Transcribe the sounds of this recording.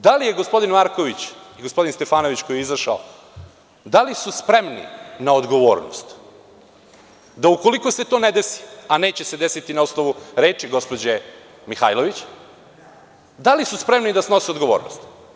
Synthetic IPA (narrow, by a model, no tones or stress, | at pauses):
d̪alije̞ɡospo̞d̪inmaɾkoʋit͡ɕiɡospo̞d̪inst̪e̞faːno̞ʋit͡ɕkojɛizaʃao | d̪alisuspɾemnḭnaod̪ɡo̞ʋo̞̰ːɾno̰st̪ | d̪aukolikose̞t̪o̞ned̪esi̥aneːt͡ɕese̞d̪e̞sit̪inausnoʋuɾe̞ːt͡ʃiɡo̞spo̞d͡ʑe | mixa̰ːjlo̞ʋit͡ɕ | d̪alisuspɾe̞mnid̪asno̞sio̞d̪ɡo̞ʋo̞ːɾnost̪